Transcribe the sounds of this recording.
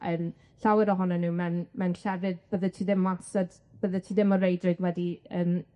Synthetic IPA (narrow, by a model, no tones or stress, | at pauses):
əm | ɬawɛɾɔɦɔnanuːmɛnmɛnɬɛɾɪd̚bəðətʰiːðɪmansad̥ | b̥əðətʰiːðɪmɔɾejdrɪdwɛdiəːm